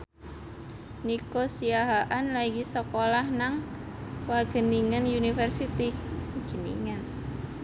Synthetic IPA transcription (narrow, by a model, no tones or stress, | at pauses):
nikosiaɦaʔanlaikisəkolahnaŋ | waɡ̥ə̤niŋənjunifɛrsit̪iɡ̥ə̤nḭŋən